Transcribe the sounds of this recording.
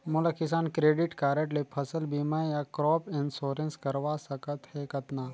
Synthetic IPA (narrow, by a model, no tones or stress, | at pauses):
mulakɪs̬aːnkɾeːɖiʈkaːɾəʈlepʰəsəlbimajakɾɔːpɪnsoːɾənskɐɾʋasəkət̪hɛkɐt̪na